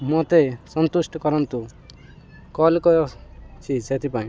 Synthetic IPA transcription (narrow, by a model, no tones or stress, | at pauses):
mot̪esɔnt̪usʈɔkɔɾɔnt̪u | kɔlkɔjɔt͡ʃʰiset̪ʰipaĩ